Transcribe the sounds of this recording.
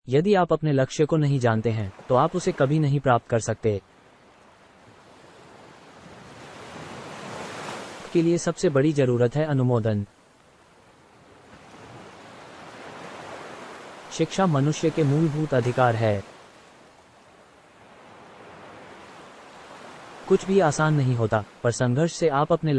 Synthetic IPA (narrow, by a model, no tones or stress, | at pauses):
jɐd̪iaːpɐpnelɐkʃjəkonɐɦĩd͡ʒaːnt̪eɦɛ̃ːt̪oaːpʊsekɐbʱinɐɦĩpɾaːp̚t̪̚kɐɾsɐk̚t̪eː | pkeliesɐbsebɐɽizɐɾuːɾət̪ɦɛɐnʊmoːd̪ən | ʃɪkʃamɐnʊʃjəkemuːlbʱuːt̪ɐd̪ʱɪkaːɾɦɛː | kʊt͡ʃʰbʱiaːsaːnːɐɦĩɦoːt̪apɐɾsɐ̃ŋɡʱəɾʃseaːpɐpne